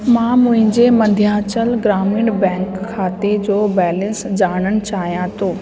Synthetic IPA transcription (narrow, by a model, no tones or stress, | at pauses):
mãːmʊ̃ɦɪ̃ɲd͡ʑemɐ̃nd̪ʱjaːt͡ɕəlɡɾaːmĩːɳɖbɛ̃ːŋkʰːaːt̪ed͡ʑoːbɛːlə̃nsd͡ʑaːɽ̃ənɪ̆t͡ɕaːɦijãt̪ʰoː